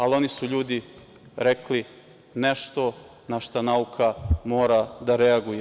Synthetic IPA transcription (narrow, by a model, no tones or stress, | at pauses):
alo̞nisuʎuːd̪i | ɾekli | neʃt̪o̞ | naʃt̪anaukʰamo̞ːɾad̪aɾeaɡuje